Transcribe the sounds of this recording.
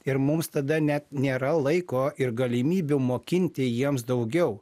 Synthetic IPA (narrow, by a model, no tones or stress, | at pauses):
ɪɾmʊmst̪ɐd̪ɐnʲɛt̪nʲeːɾɐlˠɐɪkoːɪɾɡɐlʲɪmʲiːbʲʊmoːkʲɪnʲt̪ʲɪjiɛmsd̪ɐʊɡʲɛʊ